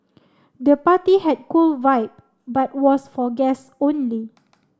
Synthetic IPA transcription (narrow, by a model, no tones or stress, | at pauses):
dəpatihɛd̚kulvaɪp̚ | bat̚wɔsfɔɡɛs | õnli